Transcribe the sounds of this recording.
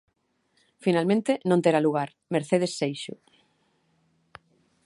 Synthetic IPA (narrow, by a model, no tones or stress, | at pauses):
finalmẽnt̪enõnt̪eɾaluɣaɾ | meɾθeð̞esːejʃʊ